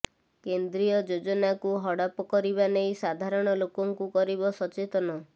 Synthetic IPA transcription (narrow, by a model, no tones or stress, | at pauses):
kend̪ɾijɔd͡ʒod͡ʒɔnakuɦɔɽapɔkɔɾibanejsad̪ʱaɾɔɽ̃ɔlokɔŋkukɔɾibɔsɔt͡ʃet̪ɔnɔ